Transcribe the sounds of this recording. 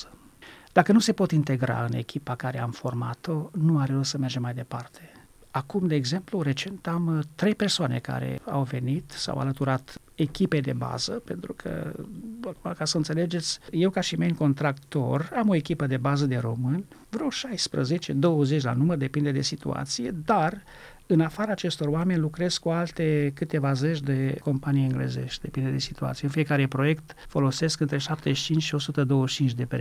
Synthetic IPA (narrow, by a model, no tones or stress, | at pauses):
əd̪̥akənuse̞po̞t̪int̪e̞ɡɾa̰ɨne̞̰kʲipakaɾe̞amfo̞rma̰t̪o̞nuaɾeosəme̞rd͡ʒemajd̪e̞part̪ʰe̞ | akumd̪eːɡze̞mpluɾe̞t͡ʃe̞nt̪amt̪ɾe̞jpe̞rsoane̞̰ka̰ɾe̞̰a̰wve̞nit̪sa̰wa̰lət̪uɾat̪ | e̞kʲiped̪e̞ba̰zəpe̞̰nt̪ɾukʰə̰akumakasəɨnt̪se̞le̞d͡ʒe̞t̪sʲje̞wkaʃimeŋko̞nt̪ɾakt̪o̞̰ramo̞ekʲipəd̪e̞bazəd̪e̞ɾo̞mɨnʲvɾowʃajspɾə̰ze̞t͡ʃed̪o̞wəze̞t͡ʃʲla̰numərd̪e̞pind̪e̞d̪e̞sit̪ṵa̰t̪sije̞d̪ar | ɨnafaɾaːt͡ʃe̞st̪o̞rwame̞nʲlukɾe̞z̥kːualt̪e̞kɨt̪e̞vaze̞t͡ʃd̪e̞ko̞mpanijɨŋɡlḛze̞̰ʃt̪d̪e̞pind̪e̞d̪e̞si̥t̪ua̰t̪sijeunfije̞kaɾepɾo̞je̞kt̪fo̞lo̞se̞skɨnt̪ɾe̞ʃap̚t̪eʃt͡ʃint͡ʃʃio̞sut̪əd̪o̞wəʃt͡ʃint͡ʃd̪e̞pe